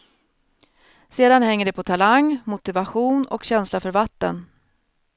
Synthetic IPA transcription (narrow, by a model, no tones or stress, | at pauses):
seːd̪anhɛŋːəɖɛpʰɔt̪ʰalaŋːmʊt̪ɪvaɧuːnɔ̰kɕɛnslafœɾvat̪ːə̰n